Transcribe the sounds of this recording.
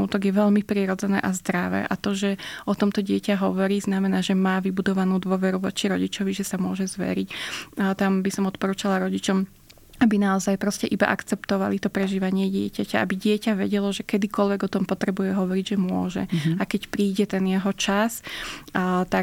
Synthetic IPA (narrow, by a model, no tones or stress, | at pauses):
uːt̪ɔɡjɛʋɛʎmipɾiːɾɔd͡zɛnɛ̰ːʔazd̪ɾaʋɛ̰ːʔat̪ɔʒɛɔt̪ɔmt̪ɔɟɪɛcaɦɔʋɔɾiːznamɛnaːʒɛmaːʋibud̪ɔʋanuːd̪ʊɔʋɛɾuʋɔ̰t͡ʃiɾɔɟit͡ʃɔʋiʒɛsamʊɔʒɛzʋɛ̰ɾicːt̪ambisɔmɔt̪pɔɾuːt͡ʃalaɾɔɟit͡ʃɔm | abinaɔzajpɾɔscɛʔiba̰ʔakt͡sɛpt̪ɔʋalit̪ɔpɾɛʒiːʋaɲɪɛɟɪɛcacaabiɟɪɛcaʋɛɟɛlɔʒɛkɛd̪ikɔlʋɛɡɔt̪ɔmpɔt̪ɾɛbujɛɦɔʋɔɾiɟʒɛmʊɔ̰ʒɛ̰akɛcpɾiːɟɛt̪ɛnjɛɦɔt͡ʃas | t̪a